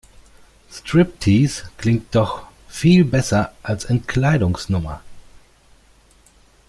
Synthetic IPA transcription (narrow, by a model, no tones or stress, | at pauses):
stʁ̥ɪp̚tʰiskl̥ɪŋt̚d̥ɔχ | fiːlbɛsɐʔalsɛnt̚kʰl̥aɪdʊŋsnʊmɐ̰